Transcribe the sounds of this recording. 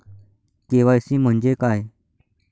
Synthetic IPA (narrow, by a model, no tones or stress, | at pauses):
keʋaəsĩːm̤əɳd͡ʑekaj